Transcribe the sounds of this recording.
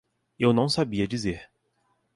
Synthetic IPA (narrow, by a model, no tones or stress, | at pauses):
ewnɐ̃w̃sabiɐd͡ʒizeɾ